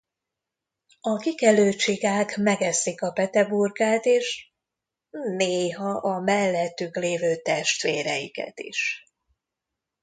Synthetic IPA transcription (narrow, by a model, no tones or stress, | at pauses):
ɒkikɛløːt͡ʃiɡaːkmɛɡɛsikɒpɛt̪ɛburɡaːt̪eːʃ | neːɦɒʔɒmɛlːɛt̪ːykleːvøːt̪ɛʃt̪ʋeːɾɛjikɛ̰t̪ḭʃ